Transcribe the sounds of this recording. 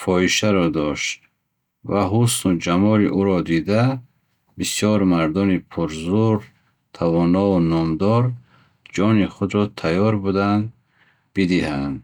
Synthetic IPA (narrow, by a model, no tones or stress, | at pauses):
fɔiʃaɾɔd̪ɔʃt̪̚ | vaɦusnud͡ʒamɔɾiʔuɾɔd̪id̪a | bisijɔɾmaɾd̪ɔnipʰuɾzuɾ | t̪ʰavɔnɔunɔmd̪ɔɾ | d͡ʒɔniχud̪ɾɔt̪ʰajɔɾbud̪and̪ | bid̪ihand̪